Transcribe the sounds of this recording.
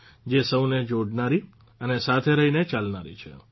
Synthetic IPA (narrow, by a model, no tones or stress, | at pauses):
d͡ʒesəwned͡ʒoɽnaɾi | ənesat̪ʰeɾəɦinet͡ʃalnaɾḭt͡ʃʰḛ